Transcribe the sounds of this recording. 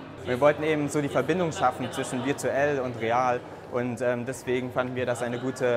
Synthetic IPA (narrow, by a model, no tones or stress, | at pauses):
viːɐvɔltn̩eːbm̩zoːɾiːfɛɐbɪndʊŋʃafn̩t͡sv̥ɪʃn̩vɪɐtuʔɛlʊntʁeaːl | ʔʊntʔɛːmdɛsv̥eːɡŋ̩fandn̩viːɐɾasʔaɪnəɡuːtʰə